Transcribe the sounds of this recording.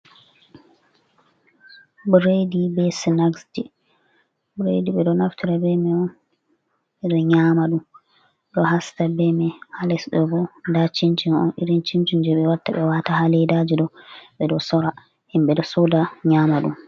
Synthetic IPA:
bɾedibɛsinaɡsd͡ʒɛ | bɾḛdiɓɛɗɔnaftiɾabɛmɛɔn | iɾiɲaːmaɗum | ɗɔhastabɛmɛhalɛsɗɔbɔndat͡ʃint͡ʃinɔ̰nḭɾint͡ʃint͡ʃind͡ʒɛɓɛwatːaɓɛwatahalɛdad͡ʒiɗɔɓɛɗɔsɔɾa | himɓɛdɔsɔdaɲamaɗum

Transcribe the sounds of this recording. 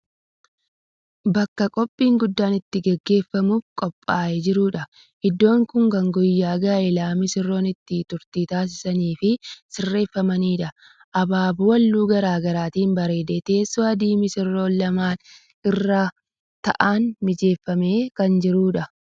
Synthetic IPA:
bɐkːɐkʼɔpʼːiːŋɡʊd̪ːaːnɪt̪ːɪɡɛɡːe̞ːfːɐmuːfkʼɔpʼːaːɛd͡ʒɪɾuːᶑɐ | ʔɪd̪ːo̞ːŋkʊŋkɐŋɡʊjːaːɡaːɛlaːmɪsɪrːo̞ːnɪt̪ːɪt̪ʊɾt̪iːt̪aːs̬ɪ̥sɐniːfɪsɪrːe̞ːfːɐmɐniːᶑɐ | ʔɐbaːbʊwɐlːuːɡɐɾaːɡɐɾaːt̪iːmbɐɾe̞ːd̪eːt̪e̞ːsːoɐd̪iːmɪsɪrːo̞ːnlɐmaːn | ɪrːaː | t̪ɐʔaːnmɪd͡ʒe̞ːfːɐme̞ːkɐnd͡ʒɪɾuːᶑɐ

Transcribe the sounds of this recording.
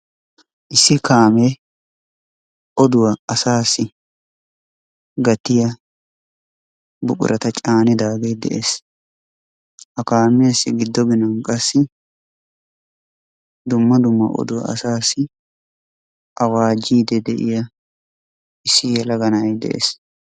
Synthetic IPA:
ʔɪsːɪkaːmeː | ʔɔd̪ʊwɐɐsaːsːɪ | ɡɐt̪ːɪjɐ | bʊ̰kʼʊ̰ɾʔɐt̪ɐt͡ʃʼaːnɪd̪aːɡejd̪ɛ̰ʔeːs | ʔɐkaːmːeːsːɪɡɪd̪ːɔɡɪnɐnkʼɐsːɪ | d̪ʊmːɐd̪ʊmːɐ̰ʔɔ̰d̪ʊwɐ̰ɐ̰saːsːɪ | ʔɐwaːd͡ʒiːd̪ɛd̪ɛʔɪ̰jɐ | ɪsːɪjɛlɐɡɐnɐjd̪ɛ̰ʔḛːs

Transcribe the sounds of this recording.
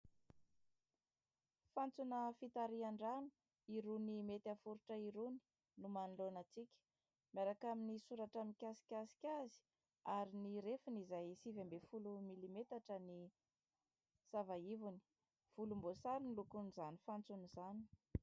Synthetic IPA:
fant͡sunəfit̪aɾiaɳɖ͡ʐanu̥ | iɾunimet̪afuɾuʈ͡ʂəiɾuni̥ | numanilonət͡sikʲə̥ | maɾakaminisuɾaʈ͡ʂamikʲasi̥kʲasi̥kʲazi̥ | aɾiniɾefunizajsivambefulumilimet̪aʈ͡ʂəni | savaivuni̥ | v̥ulumbosaɾinilukunizanifant͡sunizani̥

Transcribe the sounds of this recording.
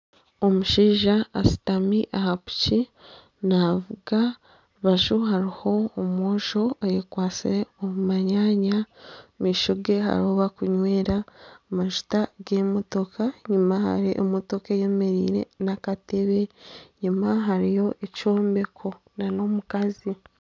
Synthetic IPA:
o̞muʃiːʒaːsi̥tamiʔahapu̥ci | navuɡa | βaʒuɦaɾiho̞ːmoːʃo̞ajekwaːt͡siɾeomumaɲaːɲamiːʃuɡe̞ɦa̰ɾihoβakuɲwe̞ːɾaːmaʒu̥taɡemo̞to̞kʰaɲumaha̰ɾiʔomoto̞keje̞me̞ɾḭːɾe̞̰nakate̞βe̞ɲumaɦaɾijo̞ʔet͡ʃo̞ːmbe̞kʰo̞ | nano̞mukazi

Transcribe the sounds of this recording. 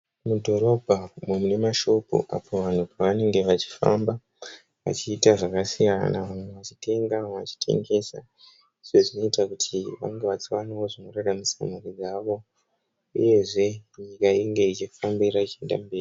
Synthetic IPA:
mudʱo̞ɾo̞bʱamumune̞maʃo̞pṵʔa̰pʰo̞ʋan̤upaʋane̞ŋɡe̞ʋat͡ʃi̥fa̰mba | ʋa̰t͡ʃiːtaʐakasijana̰ʋamweʋat͡ʃi̥te̞ŋɡaʋat͡ʃi̥tʰe̞̰ŋɡe̞sa̰ | iʐeʐino̞itakutʰiʋa̰ŋɡeʋat͡swanio̞ʐino̞raɾamusa̰murid͡zaːʋo̞ | ṵje̞ʐe̞ɲikaiŋɡe̞it͡ʃifambiɾait͡ʃie̞nda̰mbeːri

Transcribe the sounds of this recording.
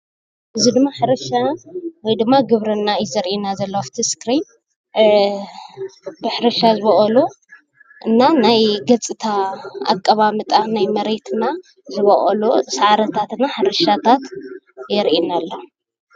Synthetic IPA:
ʔɨzid̪ɨmːaħɨɾɐʃawɔjd̪ɨmːaɡɨβɾɐnːajɪzɐɾʔinazɐlːoaft̪ʰiskɾin | bɨħɨɾɐʃazɨβɐʔɐlo | ʔɨnːanajɡɐt͡sʼɨt̪ʰaa̰kʼːɐβamɨt̪ʼanajmɐɾet̪ʰna | zɨβɐʔʼɐ̰losaʕaɾɐt̪ʰat̪naħɨɾɐʃat̪ʰat̪ | jɛɾʔinalːɐ

